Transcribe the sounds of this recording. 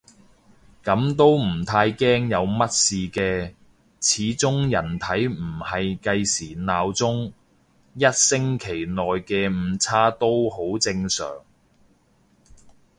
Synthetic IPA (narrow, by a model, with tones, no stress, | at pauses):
kɐ˨˥mt̪o˥wm̩˨˩t̪ʰaː˧jkɛː˥ŋjɐ˨˧wmɐ˥t̚siː˨kɛː˧ | t͡sʰiː˨˥t͡sʊ˥ŋjɐ˨˩nt̪ʰɐ˨˥jm̩˨˩hɐ˨jkɐ˧jsiː˨˩naː˨˧wt͡sʊ˥ŋ | jɐ˥t̚sɪ˥ŋkʰe˨˩jnɔː˨jkɛː˧m̩ː˨˧t͡sʰaː˥t̪o˥who˨˥wt͡sɪ˧ŋsœ̰ː˨˩ŋ